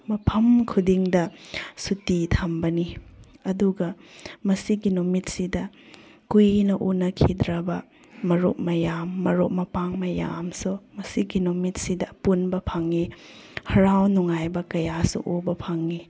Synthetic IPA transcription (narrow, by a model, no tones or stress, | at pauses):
mɐpʰɐmkʰudiŋdɐsutitʰambɐni | ɐduɡɐmɐsiɡinumit̚sidɐ | kujnɐʔunɐkʰidɾɐbɐ | mɐɾop̚mɐjamːɐɾop̚mɐpaŋmɐja̰msumɐsiɡinumit̚sidɐpunbɐpʰaŋihɐɾawnuŋajbɐkɐjasṵʔobɐpʰaŋːi